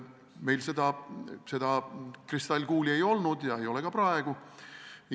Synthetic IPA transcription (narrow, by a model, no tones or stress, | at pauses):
me̞jlse̞d̪̥ɑse̞d̪ɑkrist̪ɑlʲɡuːlʲie̞jo̞lnud̪̥jɑe̞jo̞lekɑprɑeɡ̥u